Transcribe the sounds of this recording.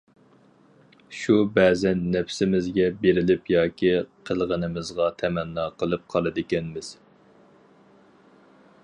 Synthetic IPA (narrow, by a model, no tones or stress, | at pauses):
ʃubɛːzɛnːɛpsɪmɪzɡʲɛbeɾɪlɪpjɑːkʲʰiqʰəlˠʁənɪmɨzʁɑt̪ʰɛmɛnːɑːqʰəlˠɨp̚qʰɑlˠɨd̪ɪkʲɛnmɪz̥